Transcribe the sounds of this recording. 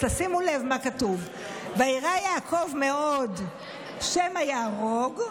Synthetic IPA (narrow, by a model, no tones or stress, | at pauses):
t̪asimulevmakatuv | vaiʁajaːkʰo̞vme̞od | ʃemajaːʁoɡ